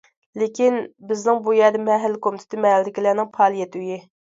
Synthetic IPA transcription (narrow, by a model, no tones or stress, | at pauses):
lekʲinbɪznɪŋbujɛd̪ɪmɛɦælːkʰomɪt̪ʰɪ̥t̪ʰɪmɛɦæld̪ɪkʲilæːnɪŋpʰɑːlˠijɛt̪yji